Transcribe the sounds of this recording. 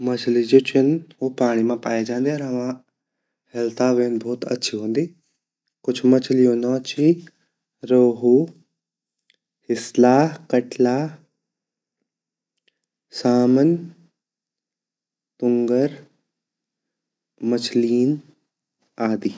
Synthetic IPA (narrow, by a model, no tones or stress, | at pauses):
mɐt͡ʃʰlid͡ʑoːt͡ɕʰənɦoːpaːɽ̃imãpaːjed͡ʑãːnd̪eɾɐʋã | hɛlt̪aʋeːnbʱɔːt̪ɐ̰tːʃʰiɦõːnd̪e | kʊd͡ʑʱmɐt͡ʃʰlijõːnot͡ɕʰi | ɾoːɦo | hɪslaːɦkɐʈlaː | saːmən | t̪ʊ̃ŋɡəɾ | mɐt͡ʃʰliːn | aːd̪iː